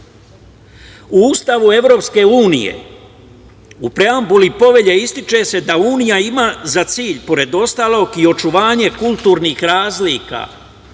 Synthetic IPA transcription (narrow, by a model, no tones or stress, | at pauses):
uuːst̪aʋue̞ʋɾo̞ːpske̞uːnḭjḛ | upɾe̞ambulipo̞ʋe̞ʎeist̪it͡ʃe̞se̞d̪auːnijaimaːzat̪siːʎpo̞ɾe̞d̪o̞st̪aːlˠo̞ːɡio̞t͡ʃuʋaːɲe̞kulˠt̪uːɾniːxɾaːzliːka̰ː